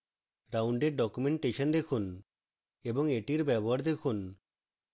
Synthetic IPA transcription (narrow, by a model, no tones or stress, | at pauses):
ɾawɳɖeɖɔkumeɳʈeʃɔnd̪ekʰun | ebɔŋeʈiɾbɛbɔɦaɽd̪ekʰun